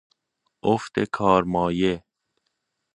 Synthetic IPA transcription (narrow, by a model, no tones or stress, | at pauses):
oft̪ekʰɒːɾmɒːje